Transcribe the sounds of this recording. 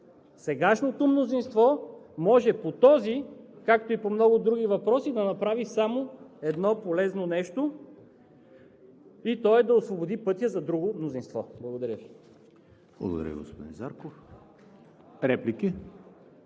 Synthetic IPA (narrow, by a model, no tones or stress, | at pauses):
sɛɡaʃnot̪omnozinst̪vɔmɔʒɛpot̪ɔzikak̚t̪oipomnɔɡʊd̪ɾuɡivɐpɾɔsid̪ɐnɐpɾavisamoɛd̪nɔpolɛznonɛʃt̪o | it̪ɔɛd̪ɐosvobod̪ipɤt̪ʲjəzɐd̪ɾuɡomnozinst̪vɔ̰blˠɐɡod̪ɐɾʲjəvi | b̥lˠɐ̰ɡo̰d̪ɐ̰ɾʲjə̰ɡo̰spod̪ḭ̃nza̰ɾkof | ɾɛpliki